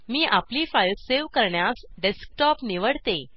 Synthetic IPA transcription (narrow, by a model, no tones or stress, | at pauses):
miːʔapliːfajlseʋkəɾɳjasɖesk̚ʈɔpniʋəɽt̪e